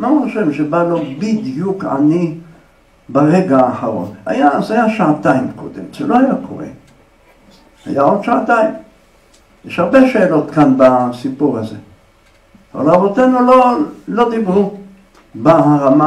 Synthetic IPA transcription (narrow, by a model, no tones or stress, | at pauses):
mauχoʃevʃebalo̞bid̪juka̰ni | baʁeɡaːħaʁo̞̰na̰jazajaʃaat̪aimko̰d̪ḛmʃelo̞ajakʰo̞̰ʁḛ | a̰jaodʃaat̪aim | jeʃhaʁbeʃe̞ːlo̞t̪kanbasipuʁaze̞ | ava̰laːvot̪e̞nulolo̞d̪ibʁu | baɦaʁama